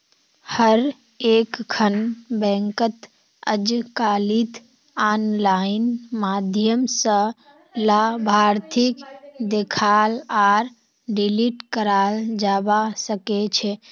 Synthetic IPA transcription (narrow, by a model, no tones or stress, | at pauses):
həɾ | ekkʰənbɛ̃ŋkət̪ | ə̰d͡ʒkalit̪ | anlainmad̪ʱjəmsə̃ | labʱaɾt̪ʰikd̪ekʰalaɾ | ɖiliʈkəɾald͡ʒabasəkɛt͡ʃʰɛ